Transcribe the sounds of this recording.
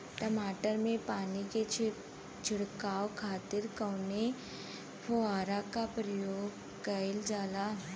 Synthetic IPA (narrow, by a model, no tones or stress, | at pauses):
ʈəmaːʈəɾmẽpaːnike | t͡ʃʰɪɽkaːwkʰaːt̪ɪɾkɐːne | pʰoaːɾakapɾɐjoːɡ | kɐɪld͡ʒaːla